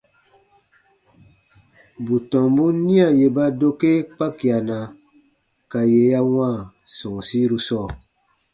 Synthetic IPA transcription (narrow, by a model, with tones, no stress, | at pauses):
bu˨tɔ̃˨mbu˦nĩ˦a˨je˨ba˦do˦ke˦k͡pa˦ki˨a˨na˨ | ka˨je˨˦ja˦wãː˦˨ | sɔ̃˨si˦ɾu˦sɔː˦˨